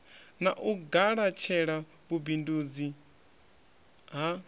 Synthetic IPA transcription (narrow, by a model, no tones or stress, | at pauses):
naʔuɡaɺat͡ʃʰɛɺa | βubindud͡zi | ɦa